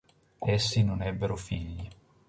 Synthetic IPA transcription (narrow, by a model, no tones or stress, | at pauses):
esːinonɛbːeɾofiʎːi